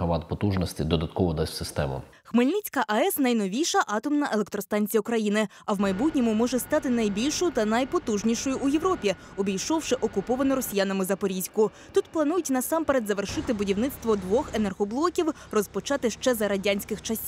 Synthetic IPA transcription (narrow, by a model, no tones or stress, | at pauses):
ɐʋɑt̪pɔt̪uʒnɔsʲtʲid̪ɔd̪ɐt̪kɔʋɔd̪ɛsʲsɪst̪ɛ̰mɐ̰ | xmɪlʲnit͡sʲkɐʔɐɛsnɐjn̪ɔʋʲijʃɐʔɑt̪ɔmnɐʔelˠek̚t̪ɾɔst̪ɑnʲt͡sʲijɐʊkɾɐjinɪ | ɐwmɐjbutʲnʲɔmʊmɔʒɛst̪ɑt̪ɪnɐjbʲilʲʃɔjʊt̪ɐnɐjpɔt̪uʒnʲiʃɔjʊʔujeʋɾɔpʲiɔbʲijʃɔwʃɪʔɔkʊpɔʋɐnɔɾɔsʲijanɐmɪzɐpɔɾʲizʲkʊ | t̪ut̪plˠɐnujʊtʲnɐsɑmpeɾed̪zɐʋerʃɪt̪ɪbʊdʲiwnɪt̪st̪ʋɔd̪ʋɔxenerɦɔblˠɔkʲiwrɔspɔt͡ʃɑt̪ɪʃt͡ʃɛzɐɾɐdʲanʲsʲkɪxt͡ʃɐsʲi